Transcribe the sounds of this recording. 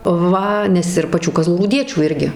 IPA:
ˈʋɐ nʲɛs ɪr pɐˈt͡ʃʲuː kɐzlˠuːruːˈdʲiɛt͡ʃʲuː ˈɪrʲɡʲɪ

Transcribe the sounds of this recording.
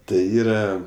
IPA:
tɐɪ ˈiːrɐ

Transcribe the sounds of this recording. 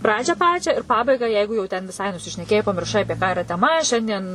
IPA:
ˈprɑːd͡ʒʲæː ˈpɑːt͡ʃʲæː ɪr pɐbɐɪɡɑː ˈjɛɪɡʊ jɛʊ tʲɛn ʋʲɪˈsɐɪ nʊsʲɪʃʲnʲɛˈkʲeːjɛɪ pɐmʲɪrˈʃɐɪ ˈɑːpʲiɛ kɑː ɪˈrɐ tʲɛˈmɐ ˈʃʲɛnʲdʲiɛn

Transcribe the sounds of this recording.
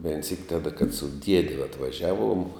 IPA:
ʋʲɛɪn sʲiːk ˈtɑːdɐ kɐt sʊ ˈdʲiɛdʲɪ ɐtʋɐˈʒʲæːˌʋuɔm

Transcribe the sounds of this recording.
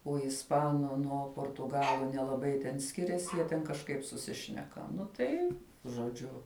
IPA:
oː ɪsˈpɑːnʊ ˈnuɔ poːrtʊˈɡɑːlˠʊ nʲɛlˠɐˈbɐɪ tʲɛn ˈsʲkʲɪrʲɛsʲɪ ˈjiɛ tʲɛn kɐʃˈkɐɪp sʊˈsʲɪʃʲnʲɛkɐ ˈnʊ tɐɪ ʒoːˈd͡ʒʲʊ

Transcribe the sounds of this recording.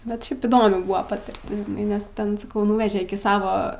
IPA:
bʲɛt ˈʃʲɛɪp iːˈdoːmʲɪ ˈbʊʋɐ pɐtʲɪrʲˈtʲɪs ʒʲɪˈnɐɪ nʲɛs ˈtʲɛn sɐˈkɐʊ ˈnʊʋʲɛʒʲɛ ˈɪkʲɪ ˈsɑːʋoː

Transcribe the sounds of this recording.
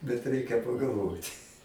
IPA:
bʲɛt ˈrʲɛɪkʲɛ pɐɡɐlˠˈʋoːtʲ

